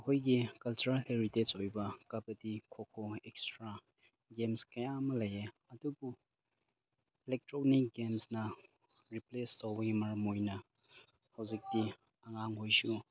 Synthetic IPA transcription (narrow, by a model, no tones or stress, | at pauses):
ɐhojɡikɐlt͡ʃuɾalheɾitet͡ʃojbɐkɐbɐdikʰokʰoekstɾa | ɡemskɐjamɐlɐje | ɐdubu | ilek̚tɾonikɡemsnɐ | ɾiplestowbɐɡimɐɾmojnɐ | hɐwzik̚di | ɐŋaŋɦojsu